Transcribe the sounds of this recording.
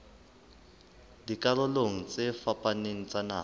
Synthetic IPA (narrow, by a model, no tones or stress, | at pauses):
dikʼalʊloŋ̩t͡sʼɪfapʼaneŋ̩t͡sʼana̰ː